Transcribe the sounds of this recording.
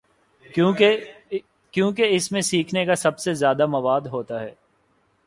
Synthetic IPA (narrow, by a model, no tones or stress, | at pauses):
e | kjõːk̬eɪsmẽsiːkʰnekasɐbsezjaːd̪amɐʋaːd̪ɦoːt̪aɦɛː